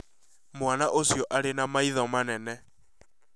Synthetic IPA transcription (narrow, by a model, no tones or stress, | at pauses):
mwanaʔosjɔʔaɾenamaiðɔmanɛnɛ